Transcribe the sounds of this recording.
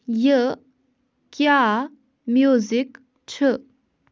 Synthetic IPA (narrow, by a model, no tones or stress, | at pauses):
jə | kja | mjuzik | t͡ɕʰə